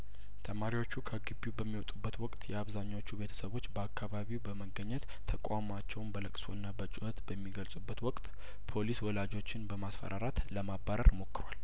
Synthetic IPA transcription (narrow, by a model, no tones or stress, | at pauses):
t̪ʰəmaɾiwo̞t͡ʃːukʰəɡɨbːubəmːiwɔt̪ʼubːət̪wɔkʼt̪jɛaβzaɲːawot͡ʃːube̞t̪ʰə̥səβo̞t͡ʃːbəakʰːaβaβiwbəməɡəɲːɛt̪ | t̪ʰəkʷʼamat͡ʃːɛwnbələkʼso̰ɨnːabət͡ʃʼuhət̪bəmːiɡəlsʼubːət̪wɔkʼt̪ | pʰo̞liswɔlad͡ʒo̞t͡ʃːɪnbəmasfə̰ɾʔaɾat̪ləmabːaɾə̰ɾmo̞kːɨɾwal